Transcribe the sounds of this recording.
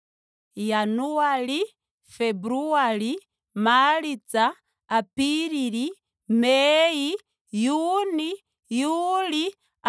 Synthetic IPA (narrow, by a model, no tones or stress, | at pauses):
januali | fɛbɾuali | malid͡zaː | piɾiɾi | mɛji | juni | juli | a